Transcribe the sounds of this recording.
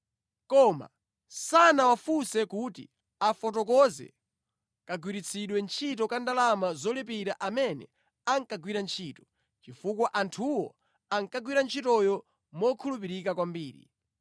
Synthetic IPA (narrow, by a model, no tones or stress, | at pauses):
kɔma̰ | sanawafusɛkutḭ | afɔtɔkɔzɛ̰ | kaɡwiɾit͡sʰiɗwɛnt͡ʃʰit̬ɔkandalamazɔlipiɾaʔamɛnɛ̰ | aŋkaɡwiɾant͡ʃʰiːtɔ̥ | t͡ʃifukwaʔantʰuwɔ | aŋkaɡwiɾant͡ʃʰitɔjɔ | mɔkʰulup̬iɾikakwambiːɾḭ